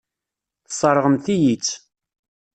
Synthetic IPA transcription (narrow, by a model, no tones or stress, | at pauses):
θsˤːɑɾˤəʁəmθijit͡sː